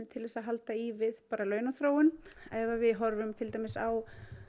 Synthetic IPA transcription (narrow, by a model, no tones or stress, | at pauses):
t̪ʰɪlvɛsaɦalt̪aivɪðpaːɾalœːɥnaθɾoːwʏnɛvavɪðɦɔɾvʏmt̪ʰɪlt̪ajmɪsaw